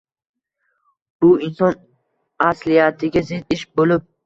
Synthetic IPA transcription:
b̥ʊinsɔn | aslijat̪ʰɪɡʲazid̪iʃbolɪb̚

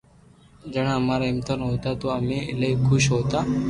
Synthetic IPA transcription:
d͡ʒəːɽ̃ãːmaːɾaːɪmt̪ənɦoːt̪aːt̪oːaːmẽːɪleːkʰʊʃɦoːt̪aː

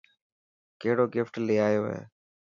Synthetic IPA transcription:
keɦɪɽoːɡɪfʈlɪːaːjoːɦḛː

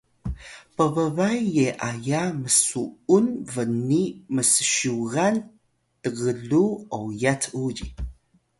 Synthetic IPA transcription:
pəvəvajːeʔajaməsuunvəniməsə̥ʃuɣan | təɣəɮuowjat͡sʰuʎi

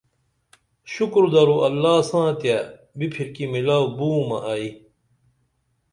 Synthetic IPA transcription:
ɕukɾd̪ɐɾuʔɐlːaːsãːt̪ja | bipʰiɾkimilaːwbuːmɐ̰ʔai

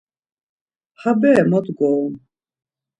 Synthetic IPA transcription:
habɛmɔt̪ɡɔːm

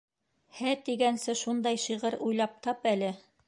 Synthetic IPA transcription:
hæt̪iɡænsɘʃund̪ɑjʃiʁɤɾujlˠɑp̚t̪ɑpælɘ

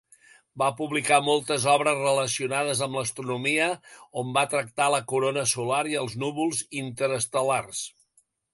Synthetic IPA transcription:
bapuβlikamolˠt̪əzɔβɾəzrələsiunaðəzəmləst̪ɾunumiəombat̪ɾək̚t̪aləkuɾonəsulaɾiəlˠznuβulˠzint̪əɾəst̪əlars

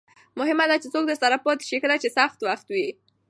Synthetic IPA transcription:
mʊɦɪmad̪at͡ʃesok̚d̪əst̪aɾapot̪ʃikəlat͡ʃesaxt̪waxt̪wi

